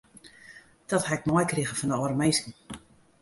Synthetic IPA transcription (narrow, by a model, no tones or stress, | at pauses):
d̥ɔthaɪk̚mɔjkriɣəfɔndəɔrəmejskn̩